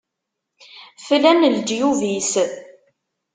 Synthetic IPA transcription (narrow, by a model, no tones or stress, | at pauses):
flænəld͡ʒjuvis